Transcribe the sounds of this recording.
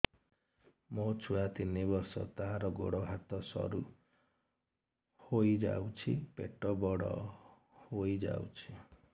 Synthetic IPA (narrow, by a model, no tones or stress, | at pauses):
mot͡ʃʰuat̪inibɔɾsɔ̰t̪aɦaɾɔɡo̰ɽɔɦat̪ɔsɔ̰ɾu | hojd͡ʒa̰wt͡ʃʰipeʈɔbɔɽɔ̰ | hoid͡ʒa̰wt͡ʃʰi